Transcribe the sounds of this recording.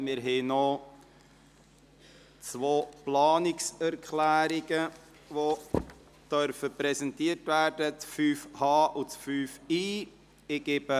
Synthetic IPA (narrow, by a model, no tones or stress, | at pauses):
mɪːɾɦɛɪno | t͡sʋoːplɑːnɪksæɾkʰχlæːɾiɡə | ʋo | d̥œɾfəpɾɛsɛntiːəɾtvæːɾdət͡sfyːfhɑːʔut͡sfyːfiː | ɪɡ̥eb̥ə